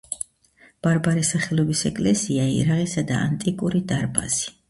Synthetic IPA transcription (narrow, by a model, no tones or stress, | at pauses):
b̥aɾbaɾɛsaχɛlˠɔbisɛkʼlɛsiaḭɾaʁisad̪a̰a̰nt̪ʼikʼuɾid̪aɾba̰z̥i̥